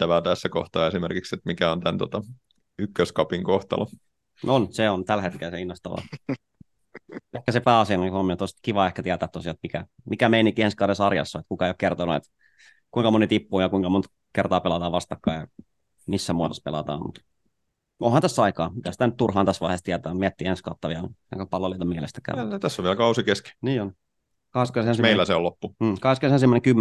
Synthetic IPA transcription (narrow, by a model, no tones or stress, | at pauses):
æʋæːt̪æsːækoht̪ɑːesimerkikset̪mikæont̪ænt̪ot̪ɑ | ykːøskɑpiŋkoht̪ɑ̰lɑ | nonseont̪ælhet̪kelseinːoht̪ɑʋɑ̰ | ʔehkæsepæːɑsienːikhomːit̪ost̪kiʋɑehkæt̪iæt̪æːt̪ːosiɑet̪̚mikæ | mikæmeinikːihenskɑːdesɑrjɑ̰sːoet̪kukɑeijokert̪onuḛt̪ | kuiŋkɑmonit̪ipːuːjɑkuiŋkɑmont̪ | kert̪ɑːpelɑt̪ɑːʋɑst̪ɑkːɑ̰ːjɑ | misːæmuɑt̪ospḛlɑ̰t̪ɑ̰ːmmṵt̪ | õ̰hɑnt̪æsːɑikɑːmit̪æsi̥t̪ænyt̪̚t̪urhɑːnt̪æsʋɑihest̪iæt̪æːmiæt̪ːiːenskɑːt̪ːɑʋiɑɑ̰kpɑlːoliˑt̪ɑmiælḛst̪æ̥kæ̰t̪æsːoʋʋiælkɑusikeski̥niːon | kɑheskosensimeilːæseolopːum̩ːkɑskøsensimːæneŋkymː